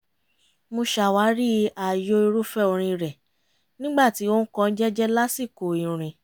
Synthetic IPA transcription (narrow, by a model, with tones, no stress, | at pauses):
mo˧ʃa˨wa˨˦ɾi˦a˨jo˧i˧ɾu˦fɛ˦o˧ɾ̃ĩ˧ɾɛ˨ | nĩ˦ɡ͡ba˦˨ti˨˦o˦n̩˦kɔ̃˦˧˦d͡ʒɛ˦d͡ʒɛ˦la˦si˦˨ko˨i˨ɾ̃ĩ˨